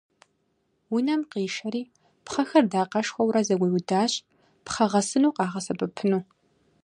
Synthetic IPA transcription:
wʊnɐmqiːʃɐɾiː | pχɐxɐrdaːqɐʂxʷɐwɾɐzɐɡʷiwdaːɕʼ | pχɐʁɐsɨnuːqɑːʁɐsɐbɨpʰɨnuː

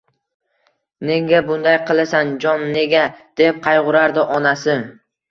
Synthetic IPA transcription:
ne̞ŋɡʲabʊnd̪ajqʰɨlˠasand͡ʒɒnne̞ɡʲad̪̥e̞p̚qʰɑjʁʊɾaɾd̪ɪʔɒnasɪ

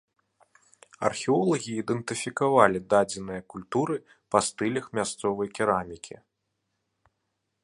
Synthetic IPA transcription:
ɐ̰rxʲɛɔlˠɐɣʲiːd̪ɛnt̪ɨfʲikavalʲid̪ad͡zʲɛnɨjɐkulʲt̪uɾɨ | pɐst̪ɨlʲɐxmʲast̪sɔvɐjkʲiɾamʲikʲʰḭ

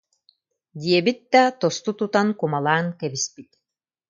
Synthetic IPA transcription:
d̪iɛbit̪̚d̪at̪ɔst̪ut̪ut̪ankumalˠaːŋkɛbispit̪

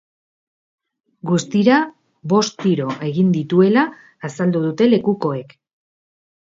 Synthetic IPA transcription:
ɡust̪iɾa | βo̞st̪iɾo̞ʔe̞ɣind̪it̪ue̞laː | sald̪uð̞ut̪e̞le̞kuko̞e̞k

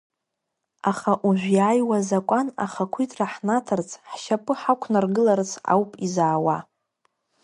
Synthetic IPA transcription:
aχaʔuʒᶣʷjaːjwazakʷʼana̰χakʷʰitʼraħnatʰart͡sʰʼħʃapʼɨħakʷʰnarɡɨlart͡sʰa̰wpʼizaːwa

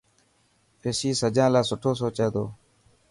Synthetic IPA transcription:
esiːsəd͡ʒãːlaːsʊʈʰoːsoːt͡ʃəːd̪o̰ː

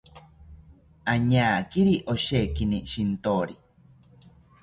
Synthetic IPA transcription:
aɲaːkiɾiʔoʃekiniʃint̪oɾi

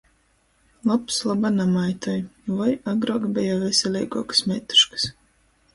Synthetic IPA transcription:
lˠapslˠabanamajt̪ɔjvajaɡɾɔɡbʲɛjavʲɛsʲɛlʲɛjɡɔɔksmʲɛt̪u̥ʃkɨ̥s

